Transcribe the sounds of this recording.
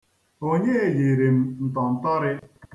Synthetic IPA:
ɦo˨ɲe˦˨ji˨ɾi˨m̩˨n̩˨t̪ɔ˨n̩˨ta˦ɾɪ˦

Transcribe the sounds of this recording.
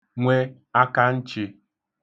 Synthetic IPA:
ŋʷe˦ | a˦ka˦n̩˦t͡ʃɪ˨

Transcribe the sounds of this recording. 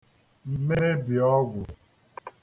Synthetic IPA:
m̩˨me˦ɾe˦bi˨ɔ˦ɡʊ˨

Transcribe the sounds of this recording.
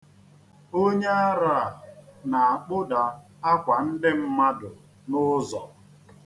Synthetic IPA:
o˦ɲe˦a˦ɾa˦a˨na˨a˨k͡pʊ˦da˨ | a˦kʷa˨n̩˦dɪ˦m̩˦ma˦dʊ˨ | nʊ˦zɔ˨

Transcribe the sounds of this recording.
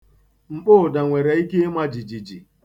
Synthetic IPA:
m̩˨k͡pʊ˦˨da˨ŋʷe˨ɾe˨i˦ke˦mʷa˦d͡ʒi˨d͡ʒi˨d͡ʒi˨

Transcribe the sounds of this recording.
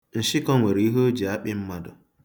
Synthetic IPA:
n̩˨ʃi˦kɔ˦ŋʷe˨ɾi˨˦i˦ɦo˦d͡ʒi˨a˦ɓɪ˦m̩˦ma˨dʊ̰˨

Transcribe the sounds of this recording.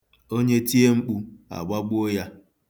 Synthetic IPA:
o˦ɲe˦ti˦e˦ŋ͡m̩˦k͡pu˦a̰˨ɡ͡ba˦ɡ͡bo˦ja˦

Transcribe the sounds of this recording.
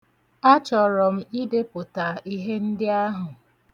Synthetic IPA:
a˦t͡ʃɔ˨ɾɔ˨m̩˦i˦de˦pʊ˨ta˨ʔi˦ɦe˦n̩˦dɪ˦a˦ɦʊ˨

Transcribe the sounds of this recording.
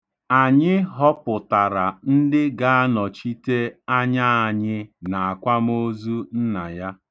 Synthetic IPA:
a˨ɲɪ˦ɦɔ˦pʊ˨ta˨ɾa˨n̩˦dɪ˦ɡa˦a˦nɔ˨t͡ʃi˦te˦a˦ɲa˦a˨ɲɪ˦na˨a˨kʷa˦m˦o˦zu˦n̩˦na˨ja˦

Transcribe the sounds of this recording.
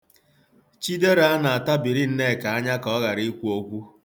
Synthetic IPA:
t͡ʃi˦de˦ɾa˨a˦na˨a˨ta˦bi˨ɾi˦n̩˦ne˦˨ka˨a˦ɲa˦kɔ˦ɣa˨ɾi˦kʷu˦o˦kʷu˦

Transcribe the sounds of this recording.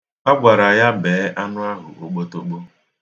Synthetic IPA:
a˦ɡʷa˨ɾa˨ja˦beː˨˦ʔa˦nʊ˦a˦ɦʊ̰˨ʔo˨k͡po˦to˦k͡po˦

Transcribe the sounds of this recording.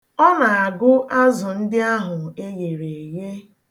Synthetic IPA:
ɔ˦na˨a˨ɡʊ˦ʔa˦zʊ˨n̩˦dɪ˦a˦ɦʊ˨e˦je˨ɾe˨je˦

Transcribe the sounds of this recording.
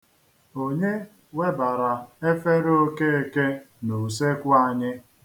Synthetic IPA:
o˦˨ɲe˦ | we˦ba˨ɾa˨e˦fe˦ɾo˦ke˦e˦ke˦ | nu˨se˦kʷʊ˦a˨ɲɪ˦

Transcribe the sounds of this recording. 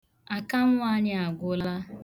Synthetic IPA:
a˨ka˦m̩ʷ˦a˦ɲɪ˦a˨ɡʷʊ˦la˦

